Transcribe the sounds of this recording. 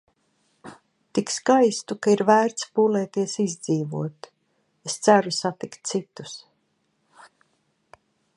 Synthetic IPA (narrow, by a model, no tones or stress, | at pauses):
t̪ikskajst̪ukaiɾvæːɾt̪spuːlɛːt̪iɛsizd̪ziːvuɔt̪ | est̪sæɾusat̪ikt̪̚sit̪u̥s